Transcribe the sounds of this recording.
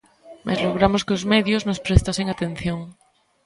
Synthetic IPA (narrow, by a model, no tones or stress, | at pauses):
mʔa̰zloɣ̞ɾamoskeozmeðjoznospɾest̪aseŋat̪ẽn̟θjõŋ